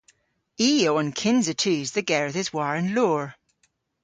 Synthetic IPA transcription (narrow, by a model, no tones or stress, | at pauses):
ioə̃nkʰɪ̃nzətʰʉːzðəɡɛɹðɪzwaɹə̃nloːɹ